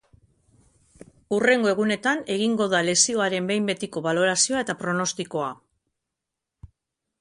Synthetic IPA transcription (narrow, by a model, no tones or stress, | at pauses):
ure̞ŋɡo̞e̞ɣune̞t̪ane̞ɣ̞iŋɡo̞ðale̞sio̞aɾe̞mbe̞jmbe̞t̪iko̞βalo̞ɾasio̞ae̞t̪apɾo̞no̞st̪iko̞a